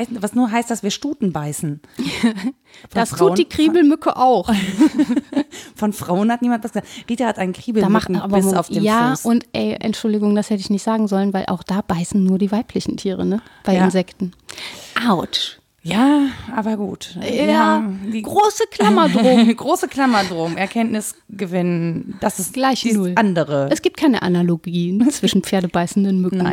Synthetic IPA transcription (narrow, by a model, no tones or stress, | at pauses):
ɛvasnuːɐɦaɪst̚d̥asv̥iːɐʃtuːtn̩baɪsn̩ | fdassʁuːd̥iːkʁ̥iːbl̩mʏkʰəʔaʊx | fɔnfʁ̥aʊənhatniːmantv̥asɡ̥əzad̥iːtɐhatʔaɪnənkʁ̥iːbl̩daːmaχabɐɪmaʊfeːmjaːsʊntʔɛ̰ɪʔɛ̰ntʃʊldɪɡʊŋd̥ashɛtəɪçnɪçtz̥aːɡŋ̩zɔlənvaɪlʔa̰ʊxd̥aːb̥aɪsn̩nuːɐdiːvaɪpʰlɪçn̩tʰiːʁə̰nəb̥aɪɪnzɛktn̩ʔaʊʃ | jaːʔaːbɐɡṵːtjaːɡ̥ʁoːsəkʰl̥amɐdʁoːmɡʁoːsəkʰl̥amɐdʁoːmʔɛɐkʰɛntnɪs | ɡ̥əvɪnənd̥asɪstɡ̥laɪçnʊlʔandəʁəɛsɡ̥iːp̚tkʰaɪnə̰ʔa̰naloɡiːt͡sv̥ɪʃn̩p͡feːɐdəbaɪsn̩dənmʏkŋ̩